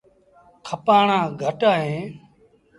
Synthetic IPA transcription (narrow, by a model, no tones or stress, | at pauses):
kʰəpaːɳãːɡʱəʈaːɦẽː